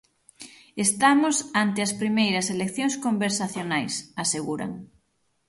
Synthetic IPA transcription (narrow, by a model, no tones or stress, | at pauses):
est̪amʊsant̪eɐspɾimejɾɐselekθjoŋskombeɾsaθjonajsaseɣuɾa̰ŋ